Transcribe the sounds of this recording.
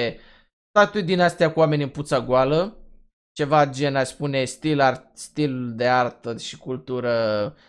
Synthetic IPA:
t̪at̪t̪ujd̪inast̪ʲjakuame̞nʲɨnput̪saɡualə | t͡ʃe̞vad͡ʒe̞naspune̞st̪ilart̪st̪ild̪e̞art̪əʃi̥kult̪uɾə

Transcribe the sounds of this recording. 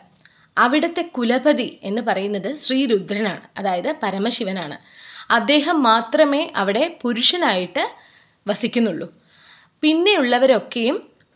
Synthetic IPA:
ɐʋiɽɐt̪ːe̞kulɐbɐðie̞nːɨpɐrɐjunːɐðɨɕriːɾud̪ʱɾɐnaːɳɨɐðaːjɐðɨpɐɾɐmɐɕiʋɐnaːɳɨ̰ | ɐd̪ːe̞ːɦɐmːaːt̪rɐme̞ːʔɐʋiɽe̞puɾuʂɐnaːjiʈːɨ | ʋɐsikʲːunːuɭːu | pinːe̞uɭːɐʋɐɾo̞kːe̞jum

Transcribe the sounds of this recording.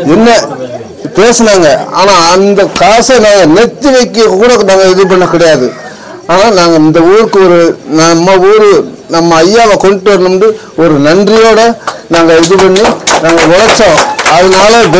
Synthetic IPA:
ɛnːɐ | peːsɐnaːŋɡɐa̰ːnaːɐnd̪ɐkaːsɐnaːŋɡɐnɛt̪ːiʋɐɪkːɯkuːɽɐnaːŋɡɐɪðɯp̬ɐɳːɐkɪɽɐjaːðɯ | aːnaːnaːŋɡɐɪnd̪ɐʋuːɾɯkːɯɔɾɯnɐmːɐuːɾɯ | nɐmːɐːjːaːʋɐkɔɳʈːɯʋɐɾnɯmɖɯ | ɔɾɯnɐɳdrɪjoːɽɐnaːŋɡɐɪðɯpɐɳːinaːŋɡɐʋɔlɐt͡ʃːõːɐðɯnaːlɐd̪

